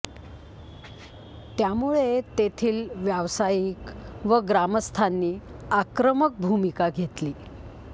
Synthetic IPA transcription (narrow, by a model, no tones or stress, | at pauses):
t̪jamuɭet̪et̪ʰiːlʋjaʋsajikʋəɡɾaməst̪ʰanːiːakɾəmək̚bʱumikaɡʱet̪liː